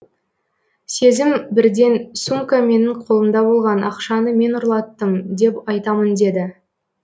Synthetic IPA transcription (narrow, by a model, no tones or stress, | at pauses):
se̞zɪmbɪɾd̪e̞nsumkame̞nɪɴqʰo̞lˠənd̪ɑbo̞lˠʁɑnʔɑ̰qʃɑnəme̞nʊɾlˠɑt̪ːəmd̪e̞pɑjt̪ɑmənd̪e̞d̪ɪ